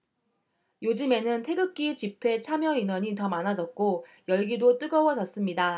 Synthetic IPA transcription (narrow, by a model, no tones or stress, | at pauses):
jod͡ʑɯme̞nɯntʰe̞ɡɯk̚k͈it͡ɕipʰe̞t͡ɕʰamjʌinwʌɲitʌmanad͡ʑʌt̚k͈o | jʌɭɡidot͈ɯɡʌwʌd͡ʑʌs͈ɯmɲida